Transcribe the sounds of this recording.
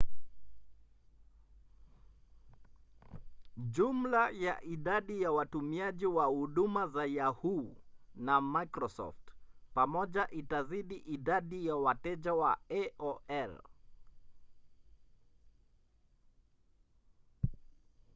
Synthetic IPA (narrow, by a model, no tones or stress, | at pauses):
ʄum̩laja̰ʔiɗaɗijawatumiaʄiwahuɗumazajahunamajkɾɔsɔ̰ftpamɔʄaʔitaziɗiʔiɗaɗijawatɛʄawaɛʔɔɛl